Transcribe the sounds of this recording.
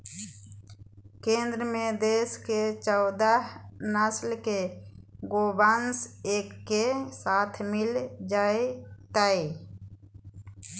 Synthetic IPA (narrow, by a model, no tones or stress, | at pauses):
kẽːnd̪ɾəmẽd̪eːsket͡ʃɔʊd̪əɦnəslkeɡoːbanseːkːesaːt̪ʰmɪld͡ʒaːet̪ae